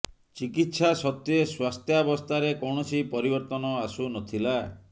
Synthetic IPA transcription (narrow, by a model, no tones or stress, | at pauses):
t͡ʃikit̪sasɔt̪jeswast̪ʰjabɔst̪ʰaɾekɔwɳɔsipɔɾibɔɾt̪ɔnɔasunɔt̪ʰila